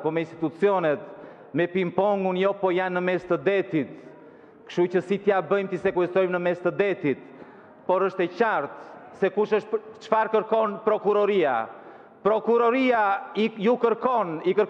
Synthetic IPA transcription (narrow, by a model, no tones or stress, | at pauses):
pɔmɛinst̪it̪ut͡siɔnɛt̪ | mɛpimpɔŋɡunjɔpɔjanːəmɛst̪əd̪ɛt̪it̪ | kʃut͡ɕəsit̪jabəjmt̪isɛkuɛsɔjmnəmɛst̪əd̪ɛt̪it̪̚ | pɔɾəʃt̪ɛt͡ɕaɾt̪sɛkuʃəʃt̪t͡ʃfaɾkəɾkɔnpɾɔkuɾɔɾia̰ | pɾɔkuɾɔɾiaijukəɾkɔnikəɾ